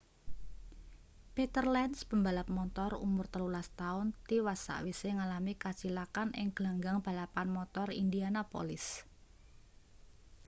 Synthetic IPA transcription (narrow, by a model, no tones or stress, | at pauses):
pet̪ərlɛnsb̥əmbalap̚mɔnt̪ɔrṵmʊrt̪əlulast̪aʊnt̪iwasa̰ʔwiseŋalamikat͡ʃilakanʔɪ̰ŋɡ̥laŋɡaŋb̥a̤lapanmɔt̪ɔrḭndianapo̰lɪs